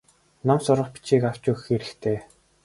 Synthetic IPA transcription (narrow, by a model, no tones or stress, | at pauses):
nɔmsʊɾə̆χpi̥t͡ɕiːkaw̥t͡ɕʊːxxeɾɘ̆xt̪ʰeː